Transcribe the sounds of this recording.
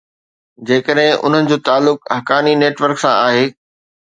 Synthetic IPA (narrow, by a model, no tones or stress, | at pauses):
d͡ʑeːkəɗɦɪ̃ʔʊ̰n̤ənɪ̆d͡ʑoːt̪aːlːʊkɐɦkaːnineːʈʋəɾksãʔaːɦeː